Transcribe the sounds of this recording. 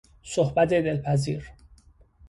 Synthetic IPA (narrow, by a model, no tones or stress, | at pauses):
sohbæt̪ʰed̪elpʰæzḭːɾ